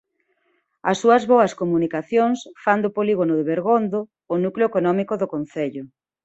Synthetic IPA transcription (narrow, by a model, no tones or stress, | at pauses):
ɐsːuɐzβoɐskomunikaθjoŋsfand̪opoliɣonʊðeβeɾɣond̪oː | nukloekonɔmikoðʊkon̟θeʎʊ